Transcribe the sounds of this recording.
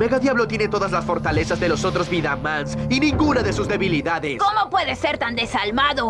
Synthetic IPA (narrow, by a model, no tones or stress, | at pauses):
meɣaðjaβlo̞t̪jene̞t̪o̞ðazlasfo̞ɾt̪ale̞sazðe̞lo̞so̞t̪ɾo̞zβiðamansinĩŋɡunaðe̞suzd̪e̞βiliðaðeskomo̞pwe̞ðeseɾt̪and̪esalmaðo